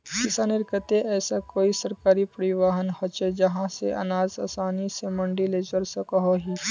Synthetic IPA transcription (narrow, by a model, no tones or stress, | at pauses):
kɪsanɪɾkət̪eʔɛːsakoːisɐɾkaːɾipəɾɪʋaːɦənhɐt͡ʃed͡ʒɐɦãsḛʔɐ̰naːzaːsaːnisemɐ̃ɳɖiled͡ʒəɾsekɦoɦiː